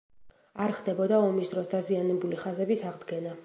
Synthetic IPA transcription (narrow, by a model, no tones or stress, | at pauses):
aɾχd̪ɛbɔd̪aɔmisd̪ɾɔsd̪azianɛbuliχazɛbisaʁd̪ɡɛna